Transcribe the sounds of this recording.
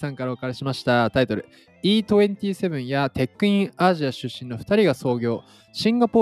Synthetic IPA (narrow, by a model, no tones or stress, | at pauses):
sãŋkaɾakaɾeɕimaɕi̥t̪at̪ait̪o̞ɾɯ̟̰ | iːt̪o̞ẽ̞nt̪ʲiːse̞βɯ̟̃ɰ̃jat̪e̞kːɯ̟ĩɰaʑiaɕɨɕːĩno̞ɸɯ̥t̪aɾʲiɡaso̞ːɡʲo̞ː | ɕĩŋɡapo̞